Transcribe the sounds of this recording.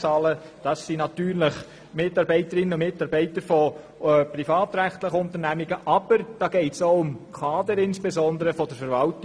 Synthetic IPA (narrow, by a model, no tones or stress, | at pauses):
t͡sɑːlə | d̥ɑsːinɑt̪yːɾləχ | mɪtːɑɾbɛɪtəɾɪnːəʊmɪtɑɾbɛɪt̪əɾfɔ | pɾifɑːt̪ɾæχt̪ləχəʊntəɾnæmiɡ̥əʔɑb̥əɾd̥ɑːɡ̥eɪtsoʊʊmkʰɑːd̪əɾɪnspɛzɔnd̪əɾəfɔd̥əɾfəɾvɑltɪ